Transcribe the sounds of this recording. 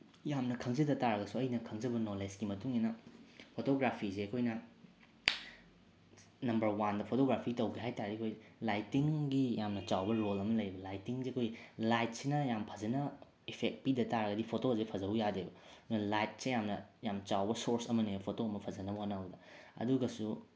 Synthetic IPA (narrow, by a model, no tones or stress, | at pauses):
jamnɐkʰɐŋzɐdɐtaɾɐɡɐsuɐjnɐkʰɐŋzɐbɐnolesɡimɐtuŋinɐpʰotoɡɾapʰizeɐkʰojnɐ | nɐmbɐɾwandɐpʰotoɡɾapʰitɐwɡiɦajtaɾdiɐkʰojlajtiŋɡijamnɐt͡ʃawbɐɾolɐmɐlɐjɾibɐlajtiŋzeɐkʰojilajt̚sinɐjampʰɐzɐnɐ | ipʰek̚t̚pidɐtaɾɐɡɐdipʰotoɐzepʰɐzɐujadebɐdunɐlajt̚sejamnɐjamt͡ʃawbɐsoɾsɐmɐnepʰotoɐmɐpʰɐzɐnɐbɐɐnawdɐɐ̰duɡɐsu